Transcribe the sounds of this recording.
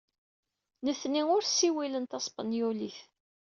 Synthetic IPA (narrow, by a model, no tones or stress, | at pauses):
nəθːniʊɾsiwilənt̪ɑsˤpɑ̰njuliθ